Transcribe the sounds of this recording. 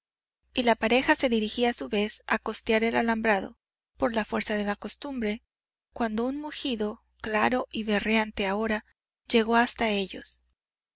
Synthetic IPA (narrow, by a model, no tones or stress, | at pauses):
ilapaɾe̞xase̞ðiɾixiasuβe̞sa̰ko̞st̪jaɾe̞lalambɾaðo̞̰ | po̞ɾlafwe̞ɾsaðe̞lako̞st̪umbɾe̞ | kwand̪o̞unmuxiðo̞ | klaɾo̞ʔiβe̞rjant̪e̞ao̞ɾa | ʝe̞ɣo̞ast̪ae̞ʝo̞̰s